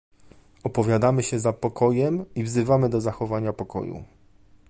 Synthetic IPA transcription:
ɔpɔvʲjad̪amɘɕɛzapɔkɔjɛmivzɘvamɘd̪ɔzaxɔvaɲapɔkɔ̰jṵ

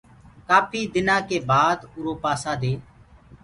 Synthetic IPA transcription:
kaːpʰiːd̪ɪnãːkeːbaːd̪ʊɾoːpaːsãːd̪eː

